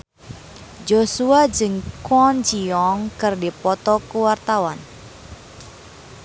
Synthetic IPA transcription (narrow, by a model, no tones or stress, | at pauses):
d͡ʒosuad͡ʒɨŋkwɔnd͡ʒiɔŋkɨrdipɔt̪ɔkuwart̪awan